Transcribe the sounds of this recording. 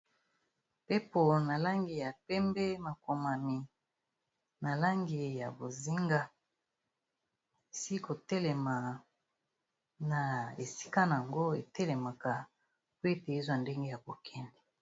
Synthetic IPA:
pe˦po˨na˨la˦ŋɡi˨ja˨pɛ˦mbɛ˦ma˨ko˨ma˨mi˨ | na˨la˦ŋɡi˨ja˨bo˨zi˦ŋɡa˦ | e˨si˦ko˨tɛ˦lɛ˨ma˨ | na˨e˨si̥˦ka˦na˨a˨ŋɡo˦e˨tɛ˦lɛ˨ma˨ka˨ | pwe˦te˨e˦zwa˦˨nde˦ŋɡe˦ja˨bo˨kʰɛ˦ndɛ˨

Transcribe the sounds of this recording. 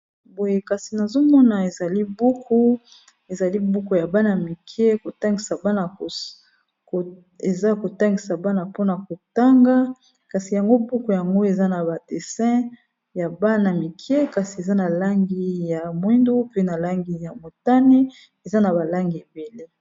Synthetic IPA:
bo˨je˦ka˨si˨na˨zo˦mɔ˦na˨e˨za˨li˦bu˦kʰo˦ | e˨za˨li˦bu˦ko˨ja˨ba˦na˨mi˨kʰje˦ko˨ta˦ŋɡi˨sa˨ba˦na˨ko˨ | k | e˨za˦ko˨ta˦ŋɡi˨sa˨ba˦na˨po˦na˨ko˨ta˦ŋɡa˦ | ka˨si˨ja˨ŋɡo˦bu˦ko˨ja˨ŋɡo˦e˨za˦na˨ba˨de˨sɛ̃˦ | ja˨ba˦na˨mi˨kʰjɛ˦ka˨si˨e˨za˦na˨la˦ŋɡi˦ja˨mwi˦ndo˦pe˦na˨la˦ŋɡi˨ja˨mo˨ta˦ni˦ | e˨za˦na˨ba˨la˦ŋɡi˨e˨be˨le˦

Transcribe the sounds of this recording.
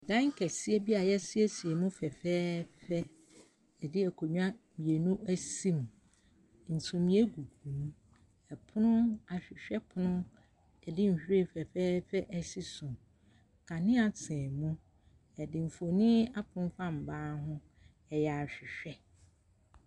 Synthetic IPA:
dã˦ŋ˦kʰɛ˨sɪ˦e˦bi˦a˨jɛ˦sɪ˦e˦si˨e˨mʊ̃˦fɛ˨fɛː˦fɛ˦˨ | dɪ˦ɛ˨kʰo˨ɲũ˦a˦ | mĩ˨e˨nũ˦æ˦sĩ˦m˨ | n̩˨tʰũ˨mĩ˨e˦ɡu˨ɡũ˨m | ɛ˨pʰʊ˦nʊ̃˦a˨ɕᶣɪ˨ɕᶣɛ˦pʰʊ˨˦nʊ̃˦ | ɛ˨dɪ˦m̩˨hᶣɾe˦˨fɛ˨fɛː˦fɛ˦ʔɛ˨si˦sʊ̃˨ | kʰã˨nɪ̃˦a˨tʰɛ̃˨mʊ̃˦ | ɛ˨dɪ̃˨m̩˨fo˨nɪ̃˦a˦pʰʊ̃˦m˦fã˦m̩˨baː˦ɦʊ̃˦ | ɛ˨jɛ˨a˨ɕᶣɪ˨ɕᶣɛ˦

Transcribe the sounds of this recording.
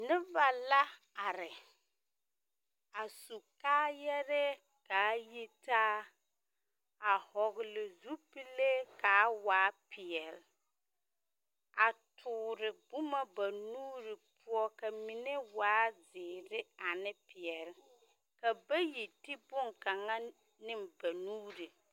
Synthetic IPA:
nɪ˦va˨la˦ | a˨ɾɪ˨ | a˨su˨kaː˦jɛ˦ɾɛ˦ | ka˨˦ji˦taː˦ | a˨hɔ˨ɣɪ˨lɪ˨zu˦pi˦le˦kaː˨˦waː˨˦pɪ˨ɛ˨l | a˨tʰʊː˨ɾɪ˨bʊ˦ma˦ba˨nuː˦ɾɪ˨pʰu˦ɔ˦ka˨mi˨nɛ˦waː˦zɪː˨ɾɪ˦a˨nɪ˦pɪ˨ɛ˨ɾɪ˨ | ka˨ba˦ji˨tɪ˦bʊ˦ŋka˨ŋa˦ | nɪ˦mba˨nuː˦ɾe˨

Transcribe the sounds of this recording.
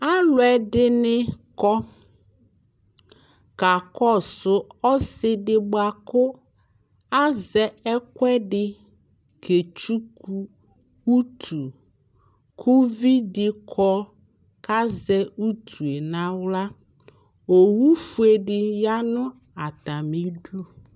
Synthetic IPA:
a˦lʊ˨ɛ˨dɪ˦nɪ˦kɔ˦ | ka˨kɔ˦˨sʊ˨ɔ˦sɪ˦dɪ˨ɡ͡ba˨kʊ˦ | a˦zɛ˨ɛ˦kʷɛ˦dɪ˨ | kʰe˨t͡ʃu˦ku˦ | u˦tʰu˨ | kʰo˦vi˦dɪ˨kʰɔ˦ | ka˦zɛ˦u˦tʰu˨e˨na˨wla˦ | o˨wu˦fu˦e˨dɪ˨ja˦nʊ˦ | a˨ta˨mi˦du˦

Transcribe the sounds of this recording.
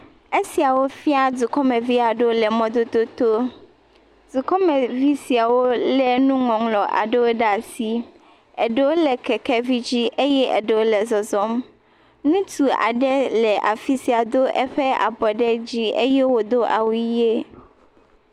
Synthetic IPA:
e˦si˨a˨wo˦fi˦a˦du˨kɔ˦mɛ̃˨vi˦a˨ɖo˦lɛ˨mɔ̃˨d̪o˦t̪o˦t̪o˦ | d͡z̪u˨kɔ˦mɛ˨vi˦si˨a˨wo˦lɛ˨nũ˦ŋɔ̃˨ŋlɔ˨ʔa̰˨ɖe˦wo˦ɖa˨si˦ | ɛ˨ɖe˦wo˦lɛ˨kɛ˨kɛ˦vi˦d͡ʑi˦ʔe˦jɛ˦ʔɛ̰˨ɖɛ˨wo˦lɛ˨zɔ˨zɔ˦m | nũ˦t̪u˨a̰˨ɖɛ˦lɛ˨ʔa˨fi˦si˨a˨d̪o˦ʔɛ˦ɸɛ˦a̰˨bɔ˨ɖɛ˦d͡ʑi˦e˦jɛ˦wo˨d̪o˦ʔa̰˨wu˦je˦

